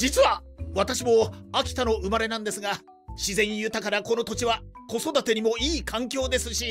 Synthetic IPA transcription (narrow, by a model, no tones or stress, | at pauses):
d͡ʑit͡sɨβaβat̪aɕimo̞akʲi̥t̪ano̞ɯ̟maɾe̞nãnd̪e̞sɨɡa | ɕizẽ̞ɲ̃ijɯ̟t̪akaɾako̞no̞t̪o̞t͡ɕiβako̞so̞d̪at̪e̞ɲ̟imo̞iːkãŋkʲo̞ːd̪e̞sɨɕi